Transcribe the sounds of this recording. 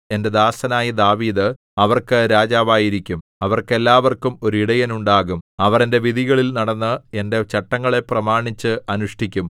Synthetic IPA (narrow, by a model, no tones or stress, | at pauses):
e̞nde̞d̪aːsɐnaːjid̪aːʋiːd̪ɨ | ɐʋɐrkɨɾaːd͡ʑaːʋaːjiɾikʲːumɐʋɐrke̞lːaːʋɐrkumo̞ɾuiɽɐjɐnuɳɖaːɣumɐʋɐrende̞ʋiðʱiɣɐɭilnɐɽɐnːɨe̞nde̞t͡ɕɐʈːɐŋːɐɭe̞prɐmaːɳit͡ɕːɨɐnuʂʈikʲːum